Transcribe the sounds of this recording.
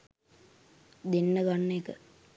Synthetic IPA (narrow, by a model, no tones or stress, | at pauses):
d̪enːəɡanːekə